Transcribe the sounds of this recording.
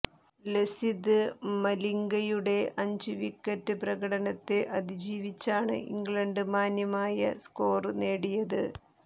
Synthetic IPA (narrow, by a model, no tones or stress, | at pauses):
lesid̪ɨmɐliŋɡɐjuɽe̞ʔɐɲd͡ʑuʋikːɐtːɨprɐɣɐɽɐɳɐt̪ːeʔɐd̪id͡ʑiːʋit͡ɕːaːɳɨ̰ʔḭŋɡɭɐɳɖɨmaːnjɐmaːjɐ̰sko̞ːrne̞ːɽijɐðɨ